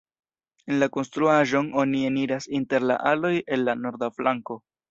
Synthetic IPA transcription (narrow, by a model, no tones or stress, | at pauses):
e̞nlako̞nstɾuaʒo̞no̞nieniɾasinte̞ɾla̰ʔalo̞je̞nlano̞ɾdaflaŋko̞